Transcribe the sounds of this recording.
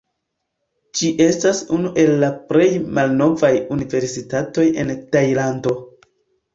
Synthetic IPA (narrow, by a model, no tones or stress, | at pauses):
d͡ʒiʔe̞stasunuʔe̞lːapɾe̞jmalno̞vajunive̞ɾsitato̞je̞̰ntajlando̞